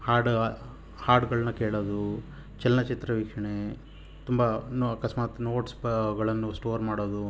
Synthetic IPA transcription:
haːɾɖ | haːɾɖɡɐɭɐnːɐkeːɭoːd̪u | t͡ʃɛlnɐt͡ʃit̪ɾɐʋiːkʂɐɳe | t̪umbɐnɐkɐsmaːt̪no̞ːʈsɡɐɭɐnːusʈoːɾmaːɽoːd̪u

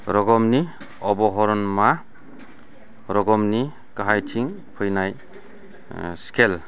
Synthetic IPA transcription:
ɾɔɡɔmni | ɔbɔɦɔɾɔnma | ɾɔɡɔmni | kaɦajtʰiŋ | pʰɯjnaj | skʰel

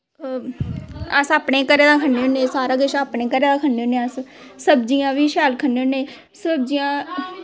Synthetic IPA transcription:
əsaːpneːkəɾeːd̪ãːkʰənːeːoneːsaːɾãːɡəʃaːpneːkəɾeːd̪aːkʰənːeːoːneːəs | səbd͡ʒijãːʋiːʃɛːlkʰənːeːõnẽː | səb̚d͡ʒijãː

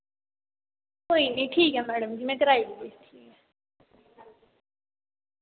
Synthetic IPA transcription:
koːinĩʈʰiːkɦɛmɛːɽəmd͡ʒimɛ̃kɐɾaːiɡdeːt̪ʰiː

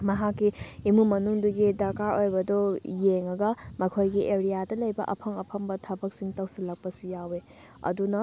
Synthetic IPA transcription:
mɐɦakːiimumɐnuŋduɡidɐkaɾojbɐdɔjeŋɐɡɐmɐkʰojɡiʔeɾijadɐlɐjbɐ̰ʔɐ̰pʰɐŋɐpʰɐmbɐtʰɐbɐk̚siŋtɐwsilɐk̚pɐsujawe | ɐ̰dunɐ

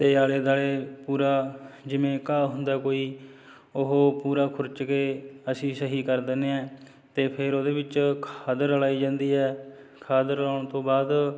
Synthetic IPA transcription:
t̪eːaːɽeːd̪aːɽeːpuːɾaːd͡ʒɪmẽːkaːɦʊ̃nd̪aːkoːiː | ʊɦoːpuːɾaːkʰʊɾt͡ʃkeːəsĩːsəɦiːkəɾd̪eneːɛ̃ː | t̪eːpʰɪɾoːd̪eːbɪt͡ʃkʰaːd̪əɾəlaːiːd͡ʒãːnd̪iːɛː | kʰaːd̪əɾaːɽ̃t̪õːbaːd̪

